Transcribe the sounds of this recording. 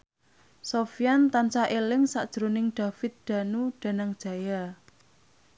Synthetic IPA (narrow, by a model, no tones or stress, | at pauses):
sofijant̪ant͡ʃaʔelɪŋsaʔd̥ʒ̥ɾonɪŋɖ̥a̤fɪt̪̚d̪̥a̤nuɖ̥a̤naŋd̥ʒ̥a̤ja